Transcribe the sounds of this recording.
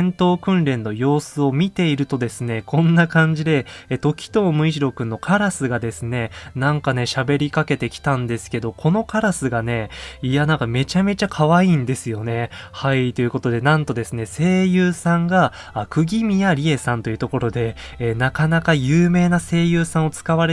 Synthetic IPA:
ẽnt̪o̞ːkɯ̟̃nɾẽ̞nːo̞jo̞ːsɨo̞mʲit̪e̞iɾɯ̟t̪o̞d̪e̞sɨnekʰõ̞nːakãɲ̟d͡ʑid̪e̞t̪o̞kʲi̥t̪o̞ːmɯ̟iʑiɾo̞kɯ̟̃nːo̞kʰaɾasɨɡad̪e̞sɨne̞nãŋkane̞ɕabe̞ɾʲikake̞t̪e̞kʲi̥t̪ãnd̪e̞sɨ̥ke̞d̪o̞kʰo̞no̞kaɾasɨɡane̞ijanãŋkame̞t͡ɕame̞t͡ɕakʰaβaiːnd̪e̞sɨjo̞ne̞hait̪o̞jiɯ̟ko̞t̪o̞d̪e̞nãnt̪o̞d̪e̞sɨne̞se̞ːjɯːsãŋɡaː | kɯ̟ɡʲimʲijaɾʲie̞sãnt̪o̞jiɯ̟t̪o̞ko̞ɾo̞d̪e̞ | nakanakajɯːme̞ːnase̞ːjɯːsãɰ̃o̞t͡sɨ̥kaβaɾe

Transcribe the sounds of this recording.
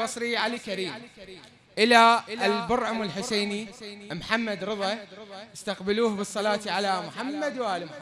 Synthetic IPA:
bɑsˤɾiʕalikaɾiːmː | ʔɪlalbʊɾʕʊmɪlħʊseːnimħamːad̪ɾɨðˤɑɪst̪aqbɪluːhbɨsˤːɑlɑːt̪ʕalamʊħamːad̪wʔaːlim

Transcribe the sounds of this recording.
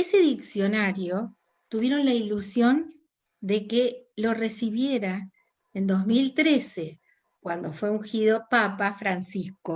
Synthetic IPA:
eseðiksjo̞naɾjo | t̪uβjeɾo̞nlailusjo̞n | d̪ekelo̞resiβjeɾa | end̪o̞zmilt̪ɾese | kwand̪o̞fwe̞uŋxiðo̞papafɾansisko

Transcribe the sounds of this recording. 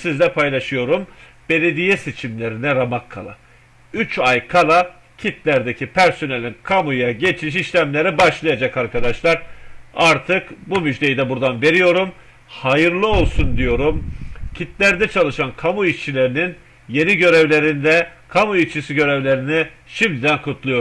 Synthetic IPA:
sizlʲɛpʰajlˠaʃɯjo̞ɾum | b̥e̞lʲe̞d̪ijɛse̞t͡ʃʰimlʲe̞ɾinɛɾamakʰːa̰lˠa̰ | yt͡ʃʰajkʰalˠa | cʰit̪lʲæɾd̪ecʰipʰæɾso̞nelʲinkʰamujaɟe̞t͡ʃʰmiʃiʃlʲæmlʲe̞ɾibaʃlˠajad͡ʒakaɾkʰad̪aʃlˠaɾaɾt̪ʰɯkbumyd͡ʒlʲejid̪ɛbuɾd̪anve̞ɾijo̞ɾum | hajɯɾlˠɯo̞lˠsund̪ijo̞ɾumcʰit̪lʲæɾd̪ɛt͡ʃʰalˠɯʃankʰamuit͡ʃʰilʲe̞ɾinin | je̞niɟø̞ɾevlʲe̞ɾind̪ɛkʰamuit͡ʃʰisiɟø̞ɾevlʲe̞ɾini | ʃimd̪ʲid̪ænkʰut̪ʰlˠujo̞ɾ

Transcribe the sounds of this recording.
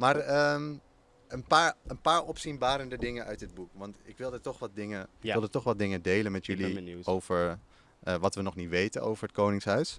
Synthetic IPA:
maːrəm | ənpaːɹənpaːɹɔpsinbaːɾəndədɪŋənœ̰ɥtdəd̚bukʋɑntɪkʋɪlˠdəɹtɔχʋɑt̚dɪŋəɪkkɪlˠdətɔχʋɑt̚dɪŋədejlənmɛtjəliowvəɹ | əʋɑtʋənɔχnitʋejtəno̰wvəɹɦət̚kownɪŋsɦœɥs

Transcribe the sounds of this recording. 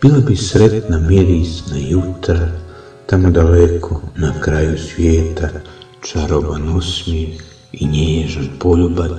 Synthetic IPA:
b̥iːlabisɾe̞t̪namjeɾisnajut̪ɾa | t̪amod̪alekʰonakɾajusʋʲjeːt̪a | t͡ʃaɾobanosmi | iɲeːʒanpoʎubad̪

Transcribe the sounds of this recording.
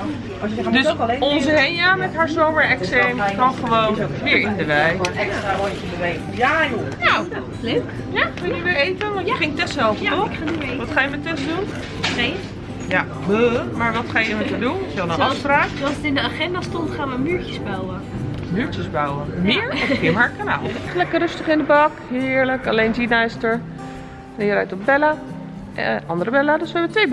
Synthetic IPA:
døssɔnsəhenamɛtɦaɹsoːməɹɛksɛmkɔnxəʋownʋɪːɹɪndəʋɛjojtɪndəʋɛj | anow | løk | jakənəʋɪɹeːtənʋɔəxɪŋ̚tɛsthɛlˠfəoʋɔtxajəmɛtɛsdun | e | ja | bəmaɹʋɔtχaːjəmɛtədunɪsɔlˠənɑfspraːklˠsətɪndəaχɛndastɔntχaːnʋəmyɹcjəsbawə | myɹtəsbawəmɪːɹɔfɪmaɹkana̰lˠχəlɛkərøstəχɪndəbɔkhɪːəɹləkalejnd͡ʒinajstəɹ | ɛjərɛjtɔp̚bɛla | ʔɑndərəbɛladøsʋəɛbətʋeːb

